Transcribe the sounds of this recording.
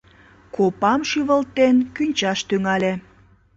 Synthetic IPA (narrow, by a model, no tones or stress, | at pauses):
kopɑmʃiβəlt̪ːenkynʲt͡ɕɑʃt̪yŋɑle